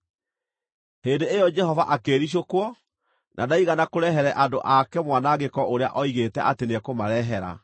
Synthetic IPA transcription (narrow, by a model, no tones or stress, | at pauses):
heːndeejɔd͡ʒɛhɔvaʔakeɾiɕ̬okwɔ | nʔadaiɣanakoɾɛɦɛɾɛʔado̰ʔakɛmwanaɣekɔʔoɾea̰ʔɔiɣetɛʔatenekomaɾɛɦɛɾa̰